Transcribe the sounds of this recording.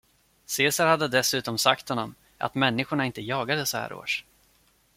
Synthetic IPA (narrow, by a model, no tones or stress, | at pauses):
seːsaɾhad̪ːəd̪ɛsʉ̟ːt̪ɔmsakt̪hɔnːɔm | ʔa̰t̪mɛnːɪɧʊɳaɪnt̪əjɑːɡad̪əsɔhæ̰ːɾo̰ːʂ